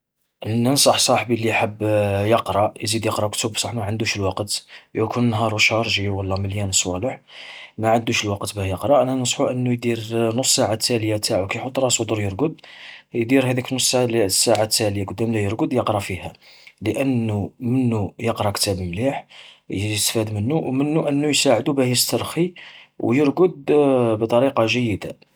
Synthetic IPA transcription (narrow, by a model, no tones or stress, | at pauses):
ʔənːənsˤɑħsˤɑħbilːiħəbːjəqɾˤɑʔjzid̪jəqɾˤɑkt̪ubsˤɑħmæʕənd̪uʃəlwɑqət̪jækʰunnːɦɑɾˤuʃɑɾˤʒiwəlːɑməljænəsˤwɑləħ | mæʕənd̪uʃəlwɑqət̪bæhjəqɾˤɑʔænænəsˤħuʔənːujd̪iɾnʊsˤːaʕat̪ʰːæljat̪ʰaʕukæjħot̪ˤɾˤɑsˤud̪əɾjəɾɡəd̪jd̪iɾɦæd̪iknosˤlsːaʕat̪ːæləjakʊd̪ːæmlæjəɾɡəd̪jəqɾˤɑfihæləʔənːumənːujəqɾˤɑkt̪æbmliħjəəst̪fæd̪mənːuwmənːuʔənːujsaʕəd̪ubæhjəst̪əɾˤxiwjəɾɡəd̪bt̪ˤɑɾiqɑʒəjːəd̪a